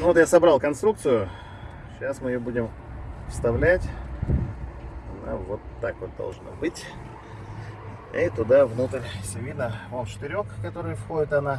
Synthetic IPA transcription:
novo̞t̪jasɐbɾɑlˠkɐnst̪ɾukt̪sɨjʊ | ɕasmɨɪjobudʲɪm | fst̪ɐvlʲætʲ | ɐna̰vot̪ːakvot̪̚d̪ɐ̰lˠʐno̰bɨtʲ | it̪ʊd̪avnut̪əɾʲsʲɪvʲinəvont͡ɕɪ̥t̪ɪɾʲo̞kkɐt̪o̞ɾɨjfxo̞dʲɪt̪ɐna

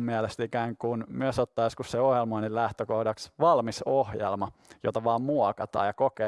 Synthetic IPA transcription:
miælest̪ikæːŋkunmyøsot̪ːɑːjoskusseohjelmɑonillæht̪økohdɑksʋɑlmisohjḛlmɑjo̰t̪ɑʋɑːmmuɑkɑt̪ɑ̰ːjɑkokeː

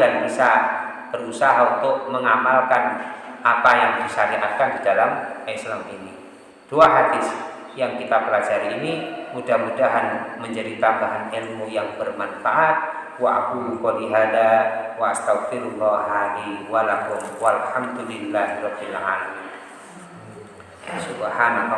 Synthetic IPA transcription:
ɡanbisa | b̥əɾusaɦaunt̪ʊʔ̚məŋamalkanʔapajaŋdisaɾiʔat̪̚kandidalamɛslamini | d̥uaɦad̪ɪs | jaŋkit̪apəlad͡ʒaɾiːnimudahmudaɦanməɲd͡ʒadit̪ambaɦanɛlmojaŋbərmanfaʔat̪̚ | waʔa̰kukoliɦadawaast̪akfiɾlɔɦaliwalakʊmwalħamd̪ulilːahɾabilʕali | wasubəhana

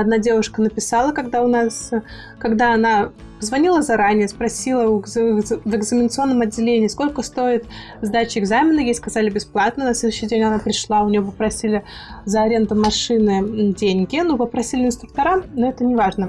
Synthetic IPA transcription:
ɐd̪̚nadʲe̞vʊʂkənəpʲɪsalˠəkɐɡd̪aʊnas | kɐɡd̪aɐna | pəzvɐnʲilˠəzɐɾanʲɪjəspɾɐsʲilˠə | vɨɡzəmʲɪnət̪sɨo̞nːəmɐdʲːɪlʲenʲɪːsko̞lʲkəst̪o̞ɪt̪ | zd̪at͡ɕɪɪɡzamʲɪnəjejskɐzalʲɪbʲɪsplˠat̪nənɐsʲlʲed̪ʊɕːijdʲenʲɐnapɾʲɪʂlˠaʊnʲɪjop̬əpɾɐsʲilʲɪzəɐɾʲe̞nd̪əmɐʂɨnɨdʲenʲɡʲɪnupəpɾɐsʲilʲɪnst̪ɾʊk̚t̪ɐɾamnoɛt̪ənʲɪvaʐnə

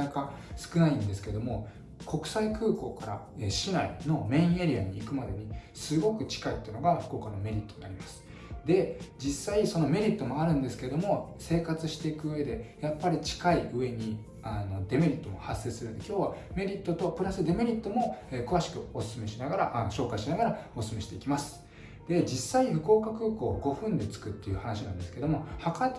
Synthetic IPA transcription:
akasɨ̥kɯ̟naĩnd̪e̞sɨ̥ke̞d̪o̞mo̞ | kʰo̞kɯ̟̥saikɯ̟ːko̞ːkaɾa̰ | eɕinaino̞mẽ̞ĩe̞ɾʲia̰ɲ̟iːkɯ̟mad̪e̞ɲ̟i | sɨɡo̞kɯ̟t͡ɕi̥kait̪ːeiɯno̞ɡaɸɯ̥ko̞ːkanome̞ɾʲit̪ːo̞ɲeaɾʲimasɨ̥ | d̪e̞d͡ʑisːaiso̞no̞me̞ɾʲit̪ːo̞mo̞aɾɯ̟̃nd̪e̞sɨ̥ke̞d̪o̞mo̞se̞ːkat͡sɨɕi̥t̪e̞ikɯ̟ɯ̟e̞d̪e̞japːaɾʲit͡ɕi̥kaiɯ̟e̞ɲ̟i | ano̞d̪e̞me̞ɾʲit̪ːo̞mo̞̰hasːe̞ɨ̥sɨɾɯ̟nd̪e̞kʲo̞ːβame̞ɾʲit̪ːo̞t̪o̞pɯ̟ɾasɨd̪e̞me̞ɾʲit̪ːo̞mo̞eːkɯβaɕi̥kɯ̟o̞sɨ̥sɨme̞ɕinaɡaɾaʔanoɕo̞ːkaɕinaɡaɾao̞sɨ̥sɨme̞ɕi̥t̪e̞̰ikʲimasɨ̥ | d̪̥e̞d͡ʑisːaiɸɯ̟ko̞ːkakɯ̟ːko̞̰ːɡo̞ɸɯ̟̃nd̪e̞t͡sɨ̥kɯt̪ːe̞jiɯ̟hanaɕinã̰nd̪e̞sɨ̥ke̞d̪omo̞haka

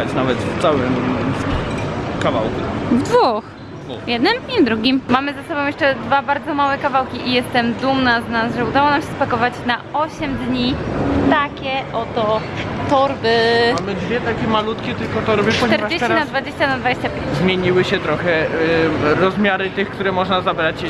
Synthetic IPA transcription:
at͡ɕnavɛt̪ft̪sawɘm | kava̰wkuvd̪vux | vjɛd̪nɨmd̪ɲivd̪ɾuɡʲimmamɘzasɔbɔ̃w̃jɛʂt͡ʂɛd̪vabaɾd̪zɔmawɛkavawkʲiʔijɛst̪ɛmd̪umnaznasʐɛud̪awɔnamɕɛspakɔvat͡ɕnaɔɕɛmd̪ɲit̪akʲɛʔɔt̪ɔt̪ɔɾbɘmamɘd̪vʲjɛt̪akʲɛmalut̪kʲɛt̪ɘlkɔt̪ɔɾɔbʲjipɔɲʲt̪ɛɾad͡ʑeɕt͡ɕinad̪vad͡ʑeɕt͡ɕanad̪vad͡ʑeɕt͡ɕapʲjeɲt͡ɕzmʲjeɲiwɘɕɛt̪ɾɔxɛ | ɾɔzmʲjaɾɘt̪ɘxkt̪uɾɛmɔʐnazabɾat͡ɕ

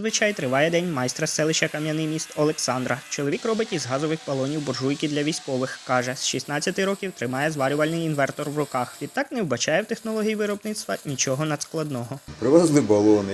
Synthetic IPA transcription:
zʋɪt͡ʃɑjt̪ɾɪʋɑjɛd̪ɛnʲmɑjst̪ɾɐsɛlˠɪʃʲɐkɐmjɐnɪjmʲist̪ɔlˠeksɑnd̪ɾɐt͡ʃɔlˠɔʋʲikrɔbɪtʲizɦɑzɔʋɪxbɐlˠɔnʲiwbɔrʒujkʲid̪lʲɐʋʲisʲkɔʋɪxkɑʒɛsʃisnɑt͡sʲːɐt̪ɪɾɔkʲiwt̪ɾɪmɑjɛzʋɑɾʲʊʋɐlʲnɪjinʋɛrt̪ɔrʋrʊkɑxʋʲid̪t̪ːɑkn̪ɛwbɐt͡ʃɑjɛwt̪exnɔlˠɔɦʲijiʋɪɾɔbnɪt̪st̪ʋɐnʲit͡ʃɔɦɔnɐd̪sklˠɐd̪nɔɦɔpɾɪʋɛzlˠɪbɐlˠɔnɪ

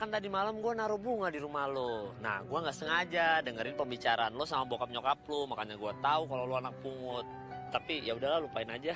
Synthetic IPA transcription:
kant̪adimalamɡuanaɾubuŋadiɾumahlona̰hɡuaŋɡaʔsəŋad͡ʒadəŋəɾɪnpəmbit͡ʃaɾanlosamambokap̚ɲokap̚lomakaɲaɡuat̪aukaloluanak̚puŋʊt̪̚ː | apijaudahlalupaɪnad͡ʒa

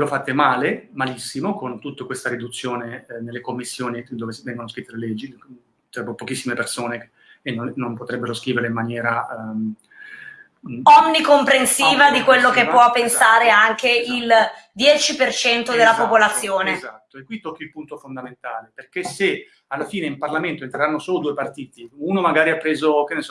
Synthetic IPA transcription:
lofat̪ːemaːlemalisːimokont̪ut̪ːekwest̪aɾid̪ut̪sːjoːnenelːekomːisːjoːnid̪oːvesvɛŋɡonoskɾit̪ːelelɛd͡ʒːi | t̪ɾɛbːopokisːimepersoːne | enonːompot̪ɾɛbːeɾoskɾiːveɾeimːanjɛːɾa | ɔmnikompɾensiːvad̪ikwelːokepːwɔpːensaːɾeaŋkeil | d̪jɛːt͡ʃipert͡ʃɛnt̪od̪elːapopolat̪sːjoːnezat̪ːoekːwit̪ːɔkːilpunt̪ofond̪ament̪aːleperkese | alːafiːneimparlament̪oent̪ɾeɾanːosoːlod̪uːepart̪iːt̪iunomaɡaːɾiapːɾeːzok̟enːes

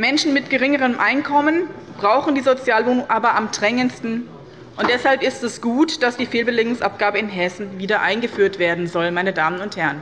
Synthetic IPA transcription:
mɛnʃn̩mɪtɡ̥əʁɪŋəʁəmʔaɪnkʰɔmənb̥ʁaʊxn̩diːzot͡sjaːlvoːnʊŋʔaːbɐʔamdʁɛŋənstn̩ | ʔʊntd̥ɛshalpɪstɛsɡ̥uːtd̥asd̥iːfeːlbəlɪŋɡʊŋsʔap̚ɡ̥aːbəɪnɦɛsn̩viːdɐʔaɪnɡəfyːɐtv̥eːɐdn̩zɔlmaɪnədaːmənʊnthɛɐən

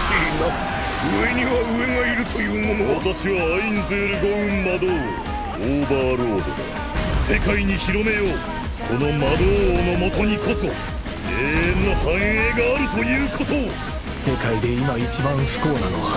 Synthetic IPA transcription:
ina | ɯ̟e̞ɲ̟iβaɯ̟e̞ŋaiɾɯ̟t̪o̞jɯ̟ːmo̞no̞βat̪aɕiβaːinzeːɾɯ̟ɡoɯ̟̃mmad̪oːo | oːbaːɾo̞ːd̪o̰o̰ | se̞kaiɲ̟içiɾo̞me̞jo̞ː | kʰo̞no̞mad̪oːno̞mo̞t̪o̞ɲ̟iko̞so̞ | eːẽnːohãɰ̃eːɡaːɾɯ̟t̪o̞jɯ̟ːkʰo̞t̪o̞ | se̞kaid̪e̞imait͡ɕibãɰ̃ɸɯ̥ko̞ːnanoka

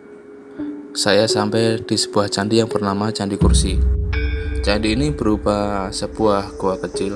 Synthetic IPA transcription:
sajasampɛjd̥isəbuaht͡ʃandijaŋpərnamat͡ʃandikursi | t͡ʃandiːnibəɾupasəb̥uahɡuakət͡ʃɪl

